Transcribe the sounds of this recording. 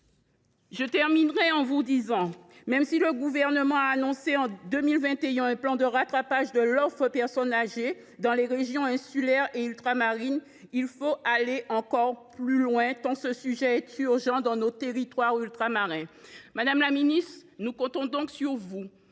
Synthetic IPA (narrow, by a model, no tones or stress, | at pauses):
ʒət̪ɛʁminʁɛɑ̃vud̪izɑ̃mɛmsiləɡuvɛʁnəmɑ̃aːnɔ̃seɑ̃d̪ømilvɛ̃t̪eɛ̃ɛ̃plɑ̃d̪əʁat̪χapaʒd̪əlɔfʁəpɛʁsɔnaʒe | d̪ɑ̃leʁeʒjɔ̃ɛ̃sylɛʁeylt̪χamaʁin | ilfoʔaleʔɑ̃kɔʁplylwɛ̃t̪ɑ̃səsyʒɛɛt̪yʁʒɑ̃d̪ɑ̃not̪eʁit̪waʁylt̪χamaʁɛ̃mad̪amlaminist̪χnukɔ̃t̪ɔ̃d̪ɔ̃ksyʁvu